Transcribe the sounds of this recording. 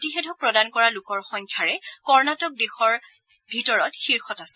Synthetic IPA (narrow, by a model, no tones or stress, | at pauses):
tixɛdɔpɹɔdankɔɹalʊkɔɹxɔŋkʰjaɹɛkɔɹnatɔk̚dexɔɹ | bʱitɔɹɔtxiɹxɔtasɛ̥